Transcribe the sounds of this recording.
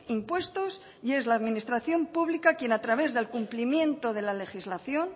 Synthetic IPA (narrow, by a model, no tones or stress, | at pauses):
impwe̞st̪os | je̞zlaːðmĩnist̪ɾaθjo̞mpuβlikakje̞nat̪ɾaβ̞e̞zðe̞lkumplimjẽ̞nt̪o̞ð̞e̞lale̞xizlaθjo̞n